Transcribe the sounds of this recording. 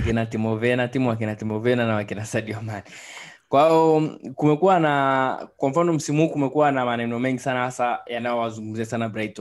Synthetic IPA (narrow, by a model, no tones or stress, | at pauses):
kinatimɔvɛnatimuak̬inatimɔvɛnanawakinasaɗiɔmani | kwaaɔkumɛkuwanakwam̩fanɔm̩simuhuːkumɛkuwanamanɛnɔmɛŋɡisanahasajanajɔwazuŋɡum̩ziasanabɾaitɔ